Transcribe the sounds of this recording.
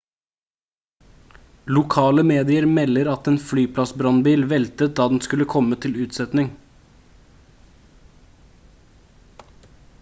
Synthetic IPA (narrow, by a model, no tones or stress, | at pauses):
lʊkʰɑːləmeːd̪ɪəɾmɛlːəɾɑt̪eːnflyːpʰlɑsbɾɑnbiːlʋɛlt̪ət̪̚d̪ɑːd̪ɛnskʉləkʰɔmət̪ʰɪlʉːt̪sɛt̪nɪŋ